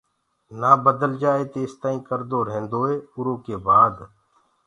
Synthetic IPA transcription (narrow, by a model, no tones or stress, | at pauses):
naːbəd̪əld͡ʒaːeːt̪eːst̪aːĩːkəɾd̪oːɾẽːnd̪oːeːʊɾõːkeːbaːd̪